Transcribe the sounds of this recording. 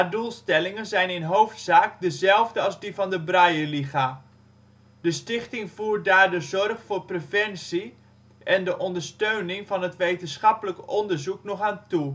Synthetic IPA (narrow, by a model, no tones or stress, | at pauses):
adulˠstɛlɪŋənzɛjnɪnɦowftsaːkdəzɛlˠvdəɑlˠzdivɑndəbrajəliχa | d̥əstɪχtɪŋvuːɹ̚daːɹdəzɔrχfʊːɹprefɛnsi | ɛndəʔɔndəɹstøɥnɪŋvɑnɦətʋejtənsχɑpələkɔndəɹzuknɔχaːntu